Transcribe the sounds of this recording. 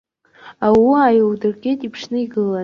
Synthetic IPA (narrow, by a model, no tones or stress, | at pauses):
awiajowdɨrɡʲetʼipʰʂnɨiɡɨla